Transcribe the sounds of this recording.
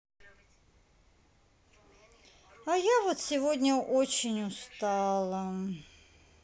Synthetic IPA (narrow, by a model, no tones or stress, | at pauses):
ajavot̪sʲɪvodʲnʲəʔot͡ɕɪnʲʊst̪alˠə